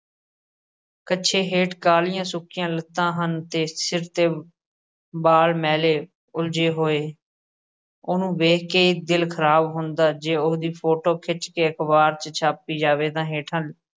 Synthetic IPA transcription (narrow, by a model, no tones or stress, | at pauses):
kəːʃʰeːɦeːʈkaːlɪjãːsʊkɪjãːlət̪ːãːɦənt̪eːsɪɾt̪eː | baːlmɛːleː | ʊld͡ʒeːɦoːeː | oːnũːʋeːkeːd̪ɪlkʰəɾaːbɦʊnd̪aːd͡ʒeːʊɦd̪iːpʰoːʈoːkʰɪt͡ʃkeːəkʰbaːɾt͡ʃət͡ʃʰaːpiːd͡ʒaːʋeːd̪ãːɦeːʈʰən